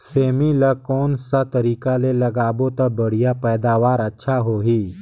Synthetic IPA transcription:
semilakɔnsat̪əɾiːkaleləɡabot̪əbəɽ̤ijapəjd̪aʋaɾətːɕʰaɦoɦiː

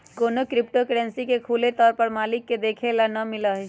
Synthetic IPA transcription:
koːnokɾɪpʈokeɖɛ̃nsikekʰuːlet̪ɔːɾpəɾmaːlɪkːed̪eːkʰelanɐmɪlaɦɛ

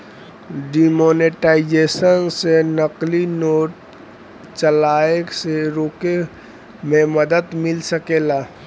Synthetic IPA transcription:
ɖimoneʈaːɪd͡ʒeːsənsenəqlinoːʈ̚ | t͡ʃəlaːekseɾoːke | mẽməd̪əd̪mɪlsəkelaː

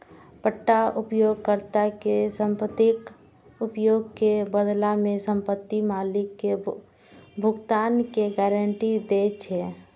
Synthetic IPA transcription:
pəʈːaʊpjoːɡ̚kəɾt̪akesəmpət̪ɪk | ʊpjoːɡ̚kebəd̪lamẽsə̃mpət̪ːimaːlɪkːe | bʱʊɡt̪aːnkeɡɛːɾəɳʈid̪et͡ʃʰɛ

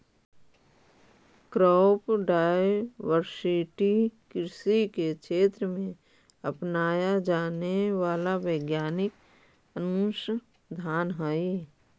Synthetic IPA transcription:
kɾɔːpɖaːjjʋəɾsɪʈikɪɾsikekʰeːt̪ɾəmẽ | əpnaːjad͡ʒaːneʋaːlaʋəɪɡjaːnɪk | ənuʃ | d̪ʱaːnɦəi

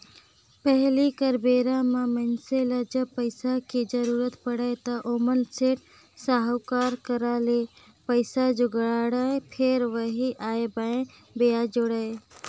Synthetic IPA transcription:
pəɦlikəɾbeɾãmamənseləd͡ʒəb̚pəɪsaked͡ʒəɾuɾət̪pəɽət̪əʔomənseʈ | saɦwkaɾkəɾale | pəɪsad͡ʒʊɡɾaɽapʰeɾʋəɦiʔaebaẽ | bejad͡ʒoɽəj

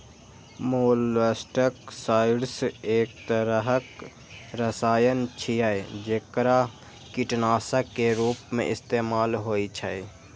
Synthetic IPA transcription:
moːlʋəsʈəksaːɪɖseːk̚t̪əɾəɦək | ɾəsaːjənt͡ʃʰijajd͡ʒeːkɾa | kɪʈnaːsəkːeɾuːpmḛ̃ʔɪst̪eːmaːlɦoːit͡ʃʰaj

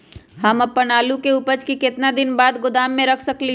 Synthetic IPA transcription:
ɦɐmɐpːɐnaːlũkeuːpət͡ʃkikɪt̪nad̪ɪnbaːd̪ɡʊd̪aːmːẽɾɐkʰsɐkli

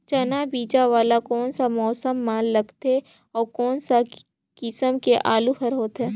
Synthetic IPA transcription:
t͡ʃɐnabiːd͡ʒaʋaːlakɔːnsamɔːsəmːaːnːɐɡt̪e | ɔːɾkɔːnsa | kɪsəmkeʔaːluxɐɾɦoːt̪ɦɛː

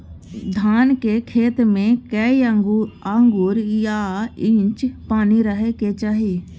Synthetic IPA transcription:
d̪ʱaːnkekʰeːt̪mẽkɛ | aːŋɡʊɾjaɪ̃t͡ʃpaːniɾəɦeket͡ʃaːɦi

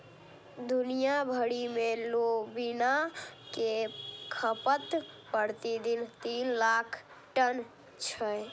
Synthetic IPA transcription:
d̪unijabʱəɽimelobinakekʰəpət̪pəɾt̪id̪int̪inlakʰ | ʈən | t͡ʃʰəj

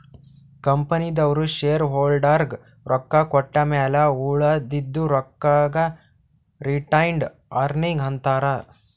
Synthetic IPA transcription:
kɐmpɐnid̪ɐʋɐɾuʃeːɾɦoːlɖaːɾɡ | ɾʔɔkːɐkɔʈːɐmɛːlɐuːɭɐd̪id̪ːuɾɔkːaːɡɐ | ɾiʈɐjɳɖ | aːɾniŋɡɦɐnt̪aːɾɐ

